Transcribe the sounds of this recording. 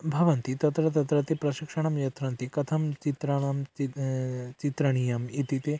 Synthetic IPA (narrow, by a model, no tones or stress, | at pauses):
bʱɐʋɐnt̪it̪ɐt̪ɾɐt̪ɐt̪ɾɐt̪ipɾɐʃikʂɐɳ̃ɐmjɐt̪ɾɐnt̪ikɐt̪ʰɐmt͡ʃit̪ɾɐɳɐmit͡ʃit̪ɾɐɳ̃ijɐmit̪it̪e